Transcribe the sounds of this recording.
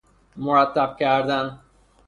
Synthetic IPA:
mʊɾat̪ːab̚kaɾd̪an

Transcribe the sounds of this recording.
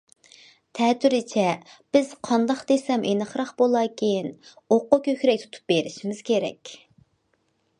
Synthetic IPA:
t̪ʰɛt̪yɾɪt͡ʃʰɛb̥ɪz̥qʰɑnd̪ɑχd̪esɛmʔenɨχɾɑχbolˠɑːkʲʰin | oqːʊkʲʰøkʲɾɛk̚ʲt̪ʰu̥t̪ʰu̥p̚beɾɪʃimɪz̥kʲʰeɾɛ̰kʲ

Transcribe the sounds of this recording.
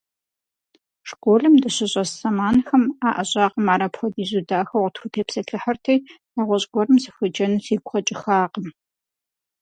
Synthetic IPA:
ʂkʷʼoːɮɨmdɐɕɪɕʼɐssɐmaːnxɐmaːʔɐɕʼɑːqəmaːɾɐpxʷɔdiːzudaːxɐwʁtxʷʊtʰeːpsɐɬʰɨħɐrtʰɐj | aːʁʷɔɕʼɡʷɔrɨmzɨxʷɐd͡ʒɐnɨsiːɡʷχɐt͡ʃʼɪxaːqəm

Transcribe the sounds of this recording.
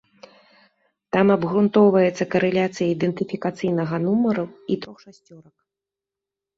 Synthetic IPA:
t̪amɐbɣɾunt̪ɔwvɐjɛt̪sːɐkɐɾɛlʲat̪sɨjɐid̪ɛnt̪ɨfʲikat̪sɨjnɐɣɐn̪umɐɾɐwit̪ɾɔxʂasʲt͡sʲɔɾɐk̚

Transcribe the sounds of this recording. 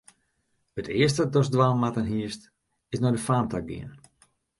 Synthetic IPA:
ətʰɪəstədɔsdʋaːnˠmatənɦiəst | ɪsnɔdəfaːntaɡḭən

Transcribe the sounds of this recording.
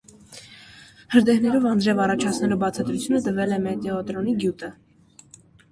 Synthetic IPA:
həɾd̪ɛhnɛɾɔvɑndɾɛvɑrɑt͡ʃʰɑt͡sʰnɛlubɑt͡sʰɑd̪ɾut͡sʰjunət̪əvɛlɛmɛt̪ɛɔt̪ɾɔniɡjut̪ə

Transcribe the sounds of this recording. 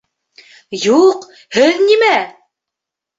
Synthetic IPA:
juq | hɘðnimæ

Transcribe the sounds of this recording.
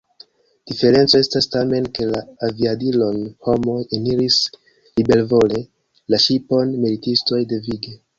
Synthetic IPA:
d̥ife̞ɾe̞nt͡so̞e̞stastame̞nke̞laːviadilo̞nho̞mo̞jeniɾis | libe̞lvo̞le̞ | laʃipo̞nmilitisto̞jde̞viɡe̞

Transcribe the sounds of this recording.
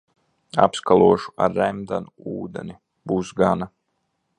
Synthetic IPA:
a̰pskalˠuɔʃu̥a̰ɾːɛmd̪anuuːd̪ḛni | buːsɡana

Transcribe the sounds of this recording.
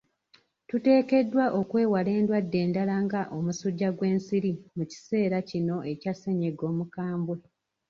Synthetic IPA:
tute̞ːke̞dːwaʔo̞kwe̞ːwale̞ːndwadːe̞ːndalaŋɡaʔo̞musuɟːaɡwe̞ːnsiɾimuci̥se̞ːɾacino̞e̞case̞ɲeɡo̞ːmukaːmbwe

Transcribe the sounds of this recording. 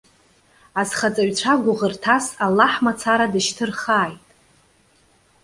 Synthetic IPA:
azχat͡sʼaɥt͡ɕʷʰaɡʷʊʁərtʰasalːaħmat͡sʰaɾadɨʃtʰɨrχaːjtʼ

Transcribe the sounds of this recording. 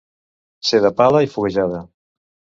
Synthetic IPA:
seðɐpalɐifuɣeʒaðɐ

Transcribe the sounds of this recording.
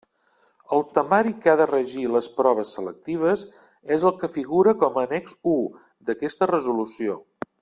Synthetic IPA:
əlˠt̪əmaɾikaðərəʒiləspɾɔβ̞əsːələk̚t̪iβ̞əz | ezəlˠkəfiɣuɾəkɔməːnɛɡzu | d̪əkɛst̪ərəzulusio

